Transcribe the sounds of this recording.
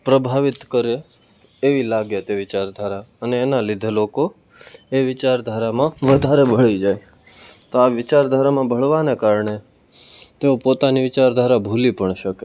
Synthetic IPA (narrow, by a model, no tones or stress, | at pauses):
pɾəbʱaʋɪt̪kəɾeː | ʋilaɡjət̪eʋɪt͡ʃaɾd̪ʱaɾaəneːnalɪd̪ʱeloko | eʋɪt͡ʃaɾd̪ʱaɾamãʋəd̪ʱaɾebʱəɭid͡ʒaj | t̪oaʋɪt͡ʃaɾd̪ʱaɾamãbʱəɭʋanekaɾɳe | t̪eopot̪aniʋɪt͡ʃaɾd̪ʱaɾabʱulipəɳʃəke